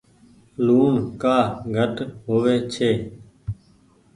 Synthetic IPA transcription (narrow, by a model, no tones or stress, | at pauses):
luːɳkaːɡʱəʈɦoːʋeːt͡ʃʰeː